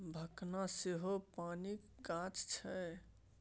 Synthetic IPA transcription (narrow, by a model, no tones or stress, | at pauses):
bʱəknaseɦopanikːãt͡ʃt͡ʃʰɛ